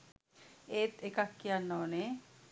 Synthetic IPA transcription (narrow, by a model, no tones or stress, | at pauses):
et̪ekakːianːɔne